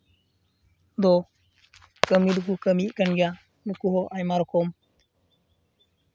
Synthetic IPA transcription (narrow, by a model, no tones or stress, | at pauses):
d̪ɔ | kəmid̪uk̬ukəmiʔkanɡɛja | nukuɦɔʔajmaɾɔkʰɔm